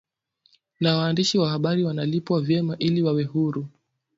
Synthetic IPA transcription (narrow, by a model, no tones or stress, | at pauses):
nawaːndiʃiwahaɓaɾiwanalipwavjɛmaʔiliwawɛhuɾu